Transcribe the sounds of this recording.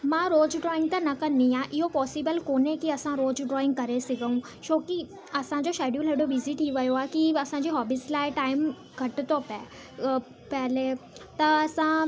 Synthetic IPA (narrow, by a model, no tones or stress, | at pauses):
mãɾoːd͡ʑɖɾɔːɪ̃ŋɡ̚t̪ɐnɐkɐnĩãːʔɪɦopɔːsibəlkoːnẽkiɐsãɾoːd͡ʑɖɾɔːɪ̃ŋɡ̚kɐɾesɪɡʱəũ | ʃoːki | ɐsãd͡ʑoʃeːɖjuːlɦeɽoʋɪzɪʈʰiʋɐjoaːkiɐsãɲd͡ʑiːɦɔːbislaːɪʈaːɪm | ɡʱɐʈt̪opɛ̰ | pɛɦlet̪ɐɐsã